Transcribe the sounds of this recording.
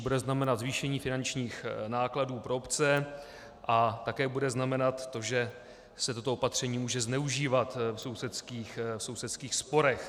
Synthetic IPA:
budɛznamɛnad̪zviːʃɛɲiːfɪnant͡ʃɲiːxnaːkladuːpɾoopt͡sɛ | ʔat̪akɛːbudɛznamɛnat̪ːo̞ʒɛ | sɛt̪o̞t̪oopat̪r̝̥ɛɲiːmuːʒɛznɛuʒiːvat̪fso̞wsɛt̪skiːxfso̞wsɛt̪skiːxspo̞ɾɛx

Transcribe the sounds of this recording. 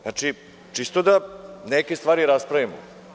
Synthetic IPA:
aːt͡ʂi | t͡ʂist̪od̪anekest̪vʋaːɾiɾaspɾaʋimo̰

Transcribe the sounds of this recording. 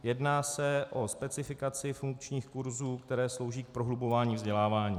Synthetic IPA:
jɛdnaːsɛʔo̞spɛt͡sɪfɪkat͡sɪfuŋk̚t͡ʃɲiːxkuɾzuːkt̪ɛɾɛːslo̞wʒiːk̚pɾoɦlubo̞vaːɲiːvzɟɛlaːvaːɲiː

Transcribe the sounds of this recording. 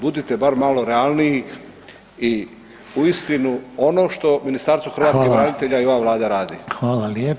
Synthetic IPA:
bud̪it̪e̞baɾmalo̞ɾealˠnii | i | uist̪inuo̞no̞ʃt̪o̞minist̪aɾsuxɾʋaːt̪kebɾanit̪e̞ʎaio̞ʋaʋlaːd̪aɾaːd̪ixʋaːlalje

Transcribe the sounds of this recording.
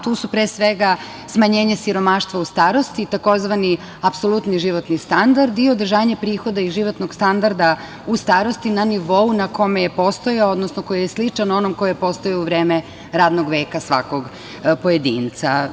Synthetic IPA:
t̪uːsupɾeːsʋeɡa | smaɲeːɲesiɾo̞maːʃt̪ʋaust̪aːɾo̞st̪it̪ako̞zʋani | apso̞lˠut̪niʒiʋo̞t̪nist̪and̪aɾd̪io̞d̪ɾ̩ʒaːɲepɾiːxo̞d̪aiʒiʋo̞t̪noɡ̥st̪and̪aɾd̪a | ust̪aːɾo̞st̪inaniʋo̞unako̞mejepo̞st̪ojaood̪nosnoko̞jijeslit͡ʂano̞nomkojepo̞st̪ojauʋɾeːme | ɾaːd̪noɡʋeːkasʋa̰ko̞ɡ | po̞jed̪iːnt̪sa̰

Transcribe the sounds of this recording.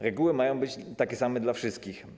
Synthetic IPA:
ɾɛɡuwɘmajɔ̃w̃bɘt͡ɕt̪akʲɛsamɛd̪lafʂɘst̪̚kʲix

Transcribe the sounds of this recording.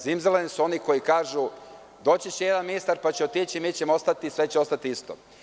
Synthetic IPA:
zimzelenisuo̞niko̞jikaːʒu | d̪o̞ːt͡ɕet͡ɕejed̪anminist̪aɾpat͡ɕeot̪iːt͡ʃimiːt͡ɕemoost̪at̪isʋe̞t͡ɕeo̞st̪at̪iist̪o̰

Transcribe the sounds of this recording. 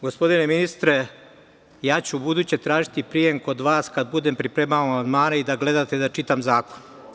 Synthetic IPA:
ɡo̞spo̞d̪ine̞minist̪ɾe̞ | jaːt͡ɕubud̪uːt͡ɕe̞t̪ɾaːʒit̪ipɾijeŋko̞d̪ʋaːskad̪bud̪e̞mpɾipɾemaamaand̪maːnaid̪aɡle̞d̪at̪ed̪at͡ʃit̪amzaːko̞n

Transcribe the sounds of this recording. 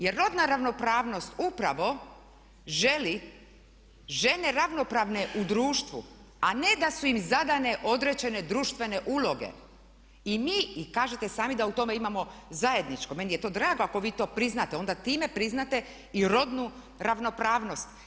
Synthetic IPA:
jeɾːo̞d̪naɾaʋno̞pɾaːʋno̞st̪upɾaʋo̞ | ʒe̞li | ʒe̞ne̞ɾaʋno̞pɾaːʋne̞ʔud̪ɾuːʃt̪ʋṵ | ane̞d̪asuimzad̪ane̞ʔo̞d̪ɾed͡ʑe̞ne̞d̪ɾuːʃt̪ʋe̞ne̞ʔuːlˠo̞ɡe̞̰ | imiːikaːʒet̪e̞saːmid̪aut̪o̞me̞imamo̞zaje̞d̪nit͡ʃko̞me̞nije̞t̪o̞ːd̪ɾaːɡoako̞ʋiːt̪o̞ːpɾiznat̪eo̞nd̪at̪iːmepɾiznat̪e̞ | iɾo̞d̪nu | ɾaʋno̞pɾaːʋno̞st̪

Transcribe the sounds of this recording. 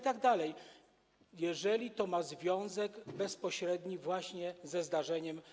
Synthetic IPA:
t̪aɡd̪alɛj | jɛʐɛlʲit̪ɔmazvʲjɔ̃w̃zɛɡbɛspɔɕɾɛd̪ɲivwaɕɲɛzɛzd̪aʐɛɲɛm

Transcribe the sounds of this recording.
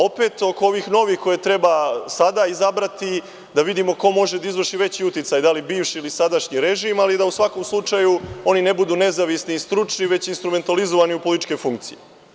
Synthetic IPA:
o̞pe̞ːt̪o̞koo̞ʋixno̞ʋixko̞jet̪ɾe̞basad̪aizabɾat̪i | d̪aʋid̪imo̞ko̞mo̞ʒed̪aizʋərʃiʋe̞t͡ɕiut̪it̪sajd̪alibiːʋʃiːlisad̪aʃɲiɾe̞ʒimalid̪ausʋako̞mslˠut͡ʂajuo̞nine̞bud̪uːne̞zaʋisniːst̪ɾut͡ʂniʋe̞t͡ɕinst̪ɾume̞nt̪alizo̞ʋaniupolit̪t͡ʃke̞fuŋkt̪sḭje

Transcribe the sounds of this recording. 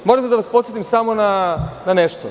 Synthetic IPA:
moɾemsed̪aʋaspot̪set̪imsamo̞nananeʃt̪o

